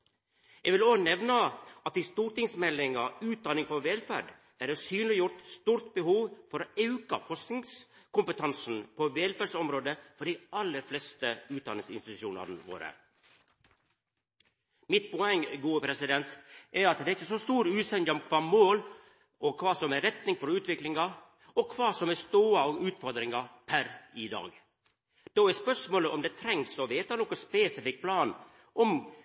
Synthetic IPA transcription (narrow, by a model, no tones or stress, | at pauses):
ɛʋɪloːnɛʋnɑʔɑt̪ɪst̪uːʈɪŋsmɛlːɪŋɑʉːt̪̚d̪ɑnɪŋfɔɾʋɛlfæ̰ɖ | æɾɛsyːnlɪjʊɾʈst̪uːɾt̪bəhuːʋfɔɾoːɑʉkɑ̰fɔʂknɪŋskʊmpət̪ʰɑnsn̩pʰɔʋɛlfæɖʂɔmɾoːd̪əfɔɖiɑlːəɾflɛst̪əʉːt̪̚d̪ɑnɪŋsɪ̰nst̪ɪt̪ʉʃuːnɑ̰ɾnʋo̰ːɾə̰ | mɪt̪̚pʰɔɛŋːɡuːəpʰɾɛsɪd̪ɛnt̪ʔɛɾɑt̪d̪ɛːɾɪçːəsɔst̪uːɾʉːsɛnd̪əɔmkʰʋɑːmoːl | ɔkʰʋɑːsɔmɛɾɛt̪nɪŋfɔɾʉːt̪ʋɪklɪŋɑ | ɔkʰʋɑːsɔmɛst̪oːəɑʉːt̪fɔɾd̪ɾɪŋɑpʰæɾɪd̪ɑ̰ːɡ | d̪̥oːɛspœʂmoːləʔɔmd̪ɛt̪ʰɾɛŋsɔʋeːt̪ɑnɔkːɔspeːsɪfɪk̚pʰlɑːn | ʔɔm